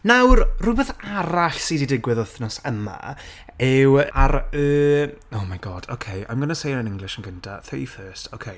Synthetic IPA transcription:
nawrrʊbɛθaɾaɬsididɪɡwɪðɔθnɔsəma̰ɛwaɾəːowmajɡɔd̥o̰kʰeja̰jmɡənasejnənɪŋɡlˠɪʃənɡəntʰa̰θəifɜːstʰo̰wkʰej

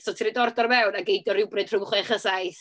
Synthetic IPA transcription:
sɔtʰiɾidɔrdɔrmɛwnaɡejdɔɾɪwbrɨd̥ʰr̥ʊwχlɪaχəsajθ

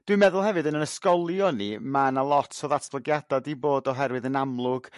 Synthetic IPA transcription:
d̥wɪmɛðʊlˠhɦɛvɨdənənəskɔlˠjɔnimanalˠɔtʰɔðatʰb̥lˠəɡjadɔdiboːdɔɦɛɾwɨðənamlˠʊɡ̥

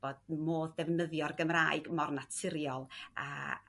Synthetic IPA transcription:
b̥oːdmoːðdɛvnəðjɔrɡəmraːɨɡmɔrnatʰɪɾjɔlˠa̰

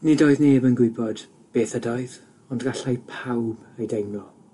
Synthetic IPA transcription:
nidoːɨðneːbənɡwɪbɔd̥ | b̥eːθədaɨð | ɔndɡaɬajpʰawb | ejdejnɔ

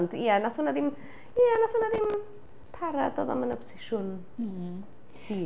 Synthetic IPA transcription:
ndianaθunaðɪm | ijanaθhuːnaðɪm | pʰaɾadɔ̰ðɔ̰mənapʰɔ̥sɪʃʊn̩ | iː

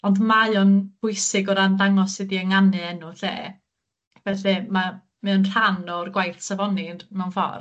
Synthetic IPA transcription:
ɔndmajɔnb̥ʊjsɨɡɔɾandaŋɔsɨdiəŋanɨɛnuɬḛː | vɛɬɨma | mɛnr̥anɔrɡwajθsavɔnɪnmɛwnfɔ̰r

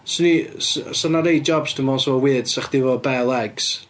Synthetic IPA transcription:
sənissɔnaɾejd͡ʒɔbsd̥əmɔsɔwɪəd̥saχd̥ɪvɔbɛlˠɛɡs

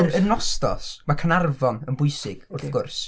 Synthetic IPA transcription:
rənɔstɔ̰smakʰənarvɔnənbʊjsɪɡ̥ʊrθɡ̥ʊrs

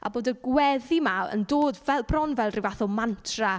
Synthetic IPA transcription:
a̰boːdəɡwɛðimaə̰ndoːdvɛlˠbrɔnvɛlˠrivaθɔlˠmantʰra

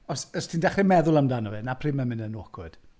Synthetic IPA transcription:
ɔsəstʰindɛχrɪmɛðʊlˠamdanɔvɛnapʰriːmamɪnənokʰwʊd̥

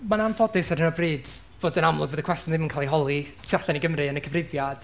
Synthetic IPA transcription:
manamfʰɔdɪsadənɔbriːd̥ | b̥oːdənamlˠʊɡvoːðəkwɛstjɔnðɪmənkʰalˠiɦɔlˠi | tʰiaɬaniɡəmrɨənəkʰəvrɪvjad̥

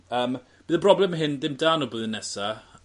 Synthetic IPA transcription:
əːm | b̥iːðəbrɔblɛmɦɪnðɪmdaːnɔbuðənːɛsa

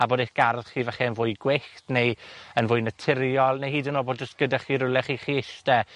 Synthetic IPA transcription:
aboːdeθɡ̥arðχiːvɛχɛənvʊːɨɡwɪxtnejənvʊːɨnətʰɪɾjɔlˠnejhiːdənoːboːd̚d͡ʒəstɡ̥ədɛχiːɾʊlˠɛχiːχiːɪʃtɛ

